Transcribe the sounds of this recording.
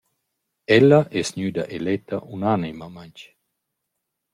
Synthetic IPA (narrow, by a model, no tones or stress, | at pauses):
ɛlːɐʔɛsɲyːd̪ɐ̰ʔelɛt̪ːɐ̰ʔunanimamant͡ʃ